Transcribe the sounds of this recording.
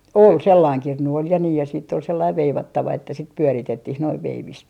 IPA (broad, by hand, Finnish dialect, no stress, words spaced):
ol selːɑiŋ kirnu ol jɑ niː jɑ siːtː ol selːɑiʋ ʋeiʋɑtːɑʋɑ etːæ sit pyøritetːih noiʋ ʋeiʋist